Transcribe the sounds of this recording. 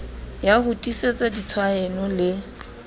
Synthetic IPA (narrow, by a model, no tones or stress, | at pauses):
jahʊtʼiset͡sʼadit͡sʰwaɛnɔlɪ